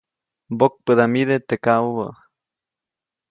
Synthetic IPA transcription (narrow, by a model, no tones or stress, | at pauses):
bok̚pəðamiðet̪ekauβə